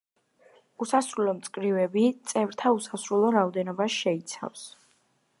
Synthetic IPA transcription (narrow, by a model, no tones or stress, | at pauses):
usasɾulˠɔmt̪sʼkʼɾivɛbit̪sʼɛvɾt̪ʰausasɾulˠɔɾaɔd̪ɛnɔbasʃɛit̪sʰa̰fs